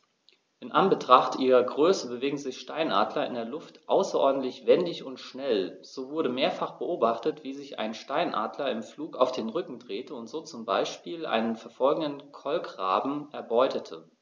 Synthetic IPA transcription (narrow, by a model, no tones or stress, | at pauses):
ʔɪnʔanbətʁ̥aχtʔiːʁɐɡʁøːsəbəveːɡŋ̩zɪçʃtaɪnʔa̰ːdlɐɪ̰ndeːɐlʊftʔa̰ʊsɐʔɔɐdn̩tlɪçv̥ɛndɪçʊntʃnɛlz̥oːvʊɐɾəmeːɐfaχb̥əʔoːbaχtətv̥iːzɪça̰ɪnʃtaɪnʔa̰ːdlɐɪmfluːkaʊfd̥eːnʁʏkŋ̩dʁeːtəʊntz̥oːt͡sʊmbaɪʃpiːlʔa̰ɪnənfɛɐfɔlɡŋ̩dənkʰɔlkʁa̰ːbm̩ʔɛɐbɔʏtʰətʰə